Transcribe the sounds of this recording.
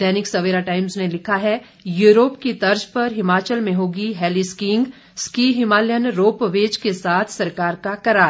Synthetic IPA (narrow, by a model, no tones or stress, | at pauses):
d̪ɛːnɪksɐʋeːɾaʈaːɪmznelɪkʰaɦɛ | juːɾoːpkit̪ɐɾd͡ʒpɐɾɦɪmaːt͡ʃəlmẽɦoːɡiɦɛːliskɪ̃ŋɡ | skiːɦɪmaːljənɾoːpʋeːd͡ʒkesaːt̪ʰsɐɾkaːɾkakɐɾaːɾ